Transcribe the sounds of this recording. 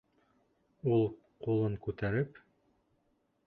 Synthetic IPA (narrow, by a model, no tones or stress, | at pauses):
ulˠ | qulˠɤɴkʉt̪æɾɘp